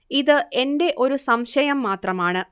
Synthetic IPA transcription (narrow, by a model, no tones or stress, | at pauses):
iðɨʔe̞nde̞ʔo̞ɾusɐmɕɐjɐmːaːt̪rɐmaːɳɨ